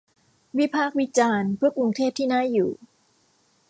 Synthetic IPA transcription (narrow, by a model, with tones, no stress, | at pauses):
wi˦˥pʰaː˥˩k̚wi˦˥t͡ɕaː˧npʰɯ˥˩əkɾu˧ŋt̪ʰeː˥˩p̚t̪ʰiː˥˩naː˥˩juː˨˩